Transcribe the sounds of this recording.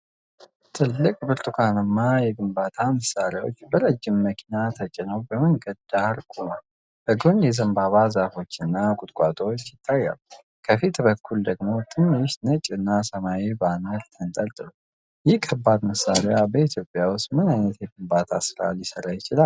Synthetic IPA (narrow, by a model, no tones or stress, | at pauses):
t̪ʰɨlːɨkʼbɨɾt̪ʼukʰanɨmːajɛɡɨmbat̪ʰaməsːaɾjwot͡ʃːbəɾəd͡ʒːɪmːəkʰinat̪ʰət͡ʃʼːɪnəwbəməŋɡəd̪aɾkʰʼunəw | bəɡonjɛzəmbaβazafo̞t͡ʃːɨnːakʼʊt̪ʼkʷʼat̪ʼot͡ʃːjɪt̪ʰʼːajːa̰l | kʰəfit̪bəkʰːuld̪əɡmo̞t̪ʰʼɨmːiʃnət͡ʃʼɨnːasəmajibanəɾt̪ʰɨnt̪ʼəɾt̪ʼɨɾu | jɪhkʰːəbːad̪məsːaɾejabəit̪ʰjo̞pʼːjawʊst̪mɨnajnət̪jɛɡɨmbat̪ʰasɨɾa̰ljɪsəɾajɪt͡ʃɪlal